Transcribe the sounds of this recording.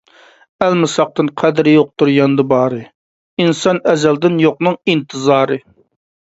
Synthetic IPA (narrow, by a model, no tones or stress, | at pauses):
ælmɨsɑq̚t̪ɨnqʰɛd̪ɾjoq̚t̪ʰuɾjɑnd̪ɨbɑːɾɨ | insɑnɛzɛld̪ɪnjoqnɨŋint̪ʰɨzɑːɾɨ